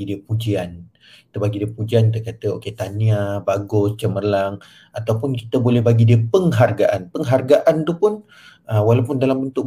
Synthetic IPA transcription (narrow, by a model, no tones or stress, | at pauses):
idiəpud͡ʒian | ki̥t̪əbaɡidiəpud͡ʒiant̪əkat̪əoket̪aniabaɡʊst͡ʃəməlaŋ | at̪awpʊnki̥t̪əbolɛhbaɡidiəpəŋɦarɡaʔanpəŋɦarɡaʔant̪upʊn | əwalawpʊndalambənt̪ʊʔ